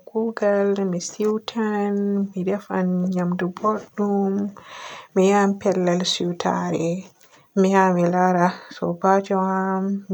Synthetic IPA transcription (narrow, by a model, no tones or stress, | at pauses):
ɡ̥uɡalmisiwtʰanmidɛfa̰nɲamduboɗːumː | ijampɛlːalsiwtʰa̰ɾɛ | mihamilaɾasɔ̰bad͡ʒɔham